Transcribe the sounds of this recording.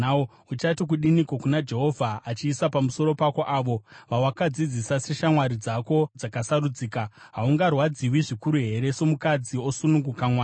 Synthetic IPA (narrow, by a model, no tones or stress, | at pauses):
o | ut͡ʃatik̬uɗinikokunad͡ʒe̞ɦo̞vʱaat͡ʃiːsapamuso̞ɾo̞pako̞ʔaːʋo̞ʋawakad͡zid͡zisase̞ʃamwaɾid͡zako̞d͡zakasaɾud͡ziːka | ɦauŋɡarwad͡ziwiʐikuɾuɦe̞ɾe̞so̞mukad͡zio̞sunuŋɡukamwaː